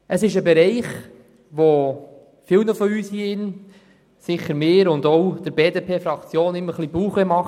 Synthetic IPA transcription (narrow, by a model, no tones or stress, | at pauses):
əsɪʃəbɛɾɛɪχ | ʋo | fɪlnəfɔyːshiːɪn | sɪχəɾmɪːɾʊndowd̥̪əɾbeːdepʰeːfɾɑkt͡sjoːnɪmːəχlibuːχəmɑχ